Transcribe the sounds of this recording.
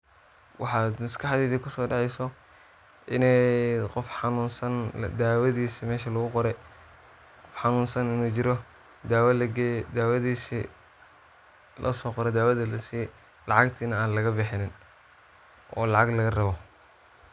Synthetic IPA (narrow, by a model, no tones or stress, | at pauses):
wɑħɑːd̪mɐskʰɑħðiːðɛkʰʊsɔːɖɑʕɛjsɔ | ʔɪnɛjqɔfħɑnuːnsɐnd̪aːwɐðiːsimɛːʃɐlɐɣʊqɔɾɛ | qɔfħɑnuːnsɐnɪnuːt͡ʃɪɾɔ | d̪aːwɐlɡd̪aːwɐðiːsḭ | lʔɐ̰sɔːqɔɾɛd̪aːwɐðɐlɐsij | lɑʕɑɡt̪ʰiːnɐaːnlɐɣɐbɪħɪnɪn | ʔɔːlɑʕɑɡlɐɣɐrɐβɔ